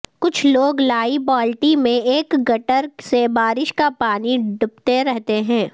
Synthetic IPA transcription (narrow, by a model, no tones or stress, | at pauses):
kʊt͡ʃʰloːɡlaːibɔːlʈimẽeːkɡɐʈəɾsebaːɾɪʃkapaːniɖʊpt̪eɾɛɦt̪eɦɛ̃ː